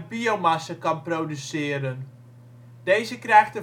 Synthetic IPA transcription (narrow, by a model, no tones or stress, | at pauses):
biowmasakɑnprowdysɪːəɾən | dejzəkrɛjxtə